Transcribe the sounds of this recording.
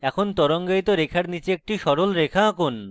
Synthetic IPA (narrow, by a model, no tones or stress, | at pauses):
ɛkʰont̪ɔɾoŋɡajt̪oɾekʰaɾnit͡ɕeek̚ʈiʃɔɾolɾekʰakon